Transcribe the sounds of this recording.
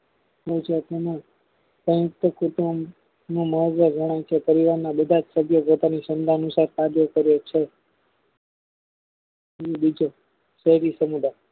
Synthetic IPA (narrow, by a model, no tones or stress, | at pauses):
ɦod͡ʒot̪emã | pɾə̃jʊk̚t̪əkuʈ̪u | nũməɦod̪ʋəd͡ʒəɽ̃ajt͡ʃʰepəɾiʋaɾnabəd̪ʱad͡ʒsəbʱjopot̪anisənd̪aənusaɾkad̪jokəɾjot͡ʃʰe | bid͡ʒo | ʃəɦɾisəmud̪a